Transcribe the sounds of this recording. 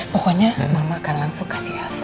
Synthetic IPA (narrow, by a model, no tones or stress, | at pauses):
oxaɲamamakaɾlansokḁsias